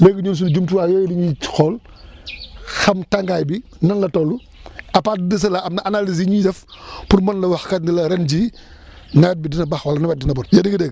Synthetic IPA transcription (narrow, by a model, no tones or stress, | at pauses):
leːɡəɲoːns̬und͡ʒumtuwajɔːjdiɲit͡ʃxɔl | xɐmtaŋɡajbi | nɐnlɐtɔlu | ɐpaːdidɐs̬ɐlaɐmnɐʔanaliziɲidɛfpuɾmɐnlɐwaxkɐtnilɐɾɛnd͡ʒi | nɐwɛt̚bidinɐbɐxwɐlɐnɐwɛt̚dinɐbɔnjɐdiŋɡədɛːɡ